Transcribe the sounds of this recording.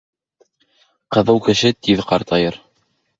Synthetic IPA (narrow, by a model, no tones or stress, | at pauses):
qɤ̆ðɤwkɘ̆ʃɘt̪iðqɑɾt̪ɑjɤɾ